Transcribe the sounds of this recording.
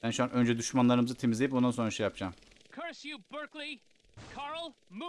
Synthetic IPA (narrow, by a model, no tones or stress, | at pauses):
ænʃuanʔø̞nd͡ʒɛd̪uʃmanlˠaɾɯmɯzɯt̪ʰe̞mizʲeipo̞nd̪ansoɾaʃejapd͡ʒaːm | kʰɜɹsjɨbɜ˞kli | kʰɑɹl̩ˠ | mu